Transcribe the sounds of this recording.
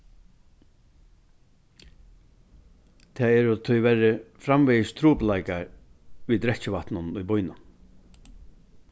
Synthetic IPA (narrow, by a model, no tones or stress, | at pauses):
t̪ʰɛːɛːɾʊt̪ʰʊjʋɛɾɪfɾamvɛjɪst̪ʰɾuːplajkaɹʋiːd̪ɾɛt͡ʃɪʋaht̪nʊnʊjbʊjnʊn